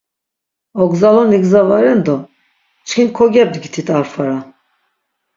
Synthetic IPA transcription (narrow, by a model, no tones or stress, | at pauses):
ɔɡzalɔniɡzavaɾɛnd̪ɔ | t͡ʃkʰinkʰɔɡɛb̚d̪ɡit̪ʰit̪ʰaɾfaɾa